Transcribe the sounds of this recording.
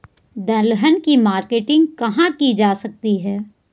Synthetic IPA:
d̪ɐ̃ləɦənkimaːɾkeːʈɪ̃ŋɡkɐɦãkid͡ʒaːsɐk̚t̪iɦɛː

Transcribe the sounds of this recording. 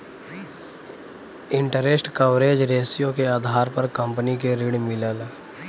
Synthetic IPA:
ɪ̃ɳʈəɾesʈkəʋɾeːd͡ʒɾeːsijõkeaːd̪ʱaːɾpəɾkə̃mpənikeɾiɽmɪlaːlaː

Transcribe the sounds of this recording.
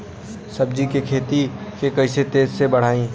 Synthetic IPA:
sɐb̚d͡ʒikekʰeːt̪ikekɐiset̪eːzsebɐɽ̤aːĩ

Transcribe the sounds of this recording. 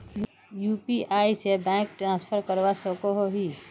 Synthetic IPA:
juːpiʔaːisebɛ̃ːk̚ʈɾãːspʰəɾkəɾʋasokoɦoɦi

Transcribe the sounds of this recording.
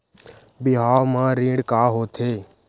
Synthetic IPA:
bɪɦaːmãːɾĩːɽkaːɦoːt̪ʰeː

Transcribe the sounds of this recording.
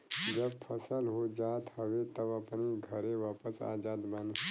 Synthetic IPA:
d͡ʒəbpʰəsəlɦod͡ʒaːt̪həʋet̪əbɐpniɡʱəɾẽʋaːpəsa̰ːd͡ʒaːd̪bane

